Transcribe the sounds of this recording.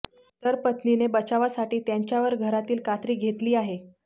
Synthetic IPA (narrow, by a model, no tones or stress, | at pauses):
t̪əɾpət̪ninebət͡ɕaʋasaʈiːt̪jaɲt͡ɕjaʋəɾɡʱəɾat̪iːlkat̪ɾiːɡʱet̪liːaɦe